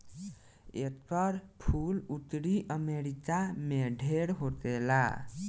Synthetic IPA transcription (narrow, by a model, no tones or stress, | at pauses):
ḛt̪pəɾpʰulut̪ɾiʔəmeɾikameɖʱeɾɦot̪ela̰